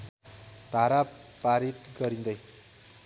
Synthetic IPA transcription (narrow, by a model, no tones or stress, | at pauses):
d̪̥ʱaɾa | paɾit̪̚ɡʌɾind̪ʌj